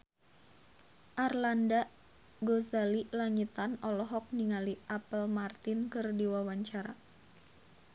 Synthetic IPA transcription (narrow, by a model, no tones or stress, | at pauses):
ʔarlanda | ɡozalilaɲit̪anɔlɔɦɔk̚niŋaliʔapəlmart̪ɪnkɨrdiwawaɲt͡ʃaɾa